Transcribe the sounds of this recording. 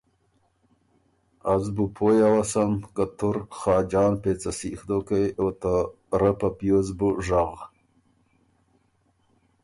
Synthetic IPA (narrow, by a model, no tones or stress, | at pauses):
azbupʰojawasamkat̪ʰʊɾχɑːd͡ʒɑːnpeːt͡sasixd̪okejot̪a | ɾəpapjozbuʐaɣ